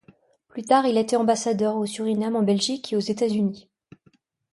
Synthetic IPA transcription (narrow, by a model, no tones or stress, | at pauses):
plyt̪aʁilet̪ɛɑ̃basad̪œʁosyʁinamɑ̃bɛlʒikeozet̪azyni